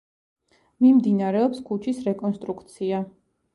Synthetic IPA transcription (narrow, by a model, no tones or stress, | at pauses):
mimd̪inaɾɛɔpskʰut͡ʃʰisɾɛkʼɔnst̪ʼɾukʰt̪sʰia